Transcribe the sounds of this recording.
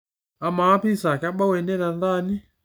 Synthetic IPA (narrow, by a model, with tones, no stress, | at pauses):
a˨maː˨˦pi˦sa˨ka˦ɓa˦wɛ˨nɛ˦ɾa˨na˦ni˦